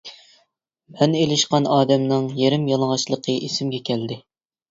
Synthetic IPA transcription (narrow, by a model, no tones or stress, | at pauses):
mɛnelɪʃqɑnɑːd̪ɛmnɨŋjeɾɪmjɑlˠəʁɑʃlˠəqʰəʔesɪmɡʲɛkʲʰɛld̪ɪ